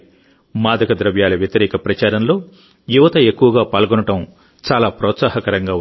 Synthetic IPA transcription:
maːd̪ɐkɐd̪ɾɐʋjaːlɐʋjɐt̪ɐɾɛːkɐpɾɐt͡ʃaːɾɐnlo̞ː | juʋɐt̪ɐekːuʋɐɡaːpaːlɡɔnɐʈɐm | t͡ʃaːlaːpɾɔːt̪saːɦɐkɐɾɐŋɡaːu

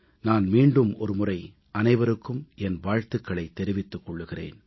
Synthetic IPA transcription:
naːnmiːɳɖɯmɔɾɯmʊrɐɪ | ʔɐnɐɪʋɐɾɯkːɯmɛnʋaːɻt̪ɯkːɐɭɐɪt̪ːɛɾɪʋɪt̪ːɯkːɔɭːɯɣɪrḛːn

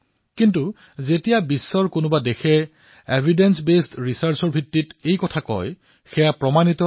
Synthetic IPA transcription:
kintu | zetijabisːɔɹkʊnʊbadexɛ | ebʱidensbestɹisaɹsɔɹbʱitːitejkɔtʰakɔ̰j | xɛjapɹɔmanitɔ

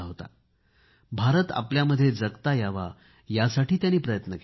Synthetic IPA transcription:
ɦot̪a̰ | bʱaɾət̪a̰pljaməd̪ʱːjed͡zəɡt̪ajaʋa̰ | jasaʈʰiːt̪janiːpɾəjət̪nək

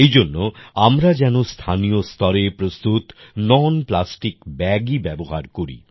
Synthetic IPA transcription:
ejd͡ʑonːoamɾad͡ʑɛnost̪ʰanijost̪ɔɾepɾost̪ut̪nɔnplasʈikbɛɡibɛboɦaɾkoɾḭ

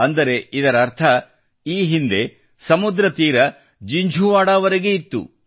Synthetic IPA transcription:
ɐnd̪ɐɾe̞id̪ɐɾɐːɾt̪ʰɐ | iːɦind̪e̞ | sɐmud̪ɾɐt̪iːɾɐ | d͡ʒiɲd͡ʒʱuʋaːɽaːʋɐɾeɡe̞it̪ːṵ

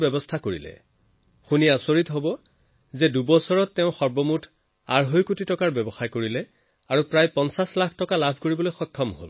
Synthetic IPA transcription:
bɛbɔstʰakoɹḭlɛ̰ | xuniasoɹitɦobɔ | zɛdubɔsɔɹɔtːɛʊ̃xɔɹbɔmutʰ | aɹɦojkutitɔkaɹbɛbɔxajkoɹilɛ | aɹupɹajpɔnsaslakʰtɔkalabʱkoɹibɔlojxɔjkʰːɔmɦo̰l

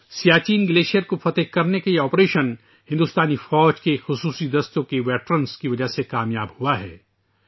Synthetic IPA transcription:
sijaːt͡ʃiːnɡɪleːʃijəɾkofɐt̪əkɐɾnekeeɔːpɾeːʃən | hɪ̃nd̪uːst̪aːnifɔːd͡ʒkexʊsuːsid̪ɐst̪õkeʋɛːʈɾənskiʋɐd͡ʒəɦsekaːmjaːbhuaɦɛː

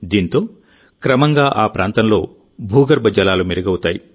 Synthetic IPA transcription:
d̪iːnt̪o̞ː | kɾɐmɐŋɡaːʔaːpɾʔaːnt̪ɐmlo̞̰ː | bʱuːɡɐɾbɐd͡ʒɐlaːlumiɾɐɡɐwut̪aːjḭ

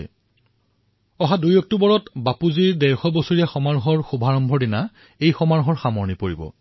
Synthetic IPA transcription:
ɔɦadujɔk̚tubɔɹɔtbapuziɹdɛɹxɔbosuɹiɛxɔmaɹɦɔɹxubʱaɹɔmbʱɔdina | ejxɔmaɹɦɔɹxamɔɹnipoɹibɔ̰

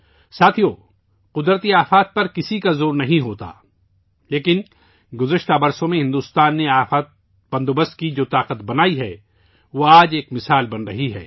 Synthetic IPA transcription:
saːt̪ʰijoː | qʊd̪ɾət̪iaːfaːt̪̚pɐɾkɪsikazoːɾnɐɦĩɦoːt̪a̰ː | leːkɪn | ɡʊzəʃt̪abɐɾsõmẽɦɪ̃nd̪uːst̪aːnːeaːfat̪̚ | b̥ɐ̃nd̪obəst̪kid͡ʒoːt̪aːqət̪bɐnaːiɦɛː | ʋoaːd͡ʒeːkmɪsaːlbɐnɾɐɦiɦɛ̰ː

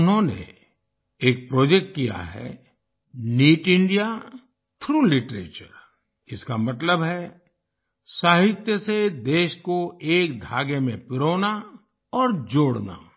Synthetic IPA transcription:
ʊnɦõnḛ | eːk̚pɾoːd͡ʒek̚ʈ̚kija̰ɦɛ̰ | niːʈɪ̃ɳɖija | t̪ʰɾuːlɪʈɾḛːt͡ʃə̰ɾ | ɪskamɐt̪ləbɦɛ | saːɦɪt̪jəsed̪eːʃkoeːkd̪ʱaːɡemẽpɪɾoːna | ɔːɾd͡ʒoːɽna̰

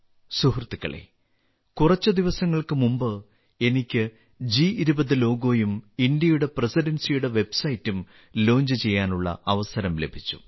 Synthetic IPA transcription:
suhrt̪ːikːɐ̰ɭḛː | kurɐt͡ɕːɨd̪iʋɐsɐŋːɐɭkɨmumbɨ | e̞nikʲːɨ | d͡ʑiiɾubɐðɨlo̞ːɡo̞ːjumind̪jɐjuɽe̞presiɖɐnsijuɽe̞ʋe̞bsɐjtːum | lo̞ːɲd͡ʑɨt͡ɕe̞jːaːnuɭːɐ̰ɐʋɐsɐɾɐmle̞bʱit͡ɕːu̥̰

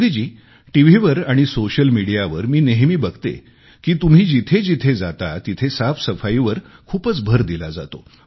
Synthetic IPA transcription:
d̪id͡ʑiː | ʈiʋ̤iʋəɾaɽ̃isoɕəlmiɽijaʋəɾmiːneɦmiːbəɡʱt̪ḛ | kiːt̪um̤iːd͡ʑit̪ʰed͡ʑit̪ʰed͡zat̪at̪it̪ʰesafsəfaiʋəɾkʰuːpət͡sbʱəɾd̪ilad͡za̰t̪o̰

